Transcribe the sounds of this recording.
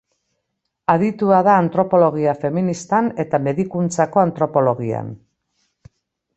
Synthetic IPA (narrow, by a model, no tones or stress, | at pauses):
aðit̪uaðaːnt̪ɾo̞po̞lo̞ɣ̞iafe̞minist̪ane̞t̪ame̞ðikunt͡sako̞ant̪ɾo̞po̞lo̞ɣia̰n